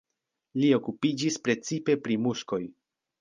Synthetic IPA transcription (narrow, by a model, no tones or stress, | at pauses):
lio̞kupid͡ʒispɾe̞t͡sipe̞pɾimuʃko̞j